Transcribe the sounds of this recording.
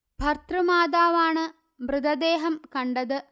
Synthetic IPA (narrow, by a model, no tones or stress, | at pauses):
bʱɐrt̪rɨmaːd̪aːʋaːɳɨ | mrɨd̪ɐd̪eːɦɐmkɐɳɖɐðɨ